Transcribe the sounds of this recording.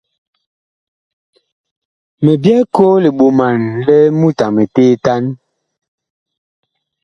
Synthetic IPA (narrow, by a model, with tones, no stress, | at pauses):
me˨bjɛ˦ko˦le˨ɓo˨ma˨nlɛ˦mu˦ta˨me˨teː˦ta˦n